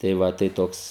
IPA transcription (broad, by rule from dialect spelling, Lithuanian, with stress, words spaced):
tɐɪ ˈʋɐ tɐɪ ˈtoːks